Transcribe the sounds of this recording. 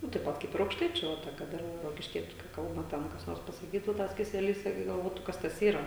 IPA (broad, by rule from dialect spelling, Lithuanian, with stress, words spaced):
ˈnʊ tɐɪp ˈpɐt ˈkɐɪp ɪr ɐʊkʃˈtɐɪt͡ʃʲʊ ˈʋɐ tɐ kɐt ˈɪr roːkʲɪʃʲˈkʲiɛt͡ʃʲʊ kɐɪ ˈkɐlˠbɐ ˈtʲɛn kɐs ˈnoːrs pɐsɐˈkʲiːtʊ ˈtɐs kʲɛsʲɛˈlʲiːs ˈɪrʲɡʲɪ ɡɐlˠˈʋoːtʊ ˈkɐs tɐs ˈiːrɐ